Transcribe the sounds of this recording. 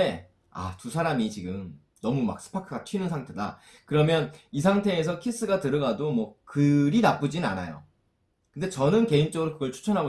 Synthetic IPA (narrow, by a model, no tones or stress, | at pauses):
e | a̰tusʰaɾamit͡ɕiɡɯm | nʌmuma̰k̚s͈ɯ̥pʰakʰɯɡatʰɥinɯnsʰaŋtʰe̞da | kɯɾʌmjʌnisʰaŋtʰe̞ːs̬ʰʌkʰis͈ɯɡatɯɾɯɡadomwʌkɯɾinap͈ud͡ʑinɯna̰najo̰ | kɯnde̞t͡ɕʌnɯnke̞int͡ɕ͈ʌɡɯɾokɯɡʌɭt͡ɕʰu̥t͡ɕʰʌnɦaɡo